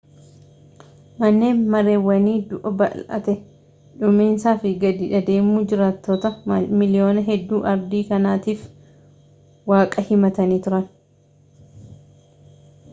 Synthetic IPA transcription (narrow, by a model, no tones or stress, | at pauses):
mɐnːe̞ːnmɐɾe̞ːwːɐniːd̪ʊʔɐbɐ̰lʔɐ̰t̪ɛ | ᶑʊmeːnsaːfɪɡɐd̪iːᶑɐd̪e̞ːmːuːd͡ʒɪɾaːt̪ːoːt̪ɐmɪlɪjo̞ːnɐɦɛd̪ːuːʔɐɾd̪iːkɐnaːt̪iːf | waːkʼɐhɪmɐt̪ɐniːt̪ʊɾɐn